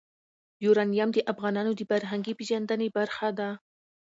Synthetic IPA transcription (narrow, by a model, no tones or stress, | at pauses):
juɾɑnijamd̪əʔafɣɑnɑnod̪əfaɾɦaŋɡipeʒand̪ənebaɾxad̪a